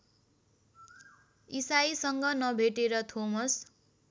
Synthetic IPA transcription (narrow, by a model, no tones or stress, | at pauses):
isajsʌŋɡʌnʌbʱeʈeɾʌt̪ʰomʌs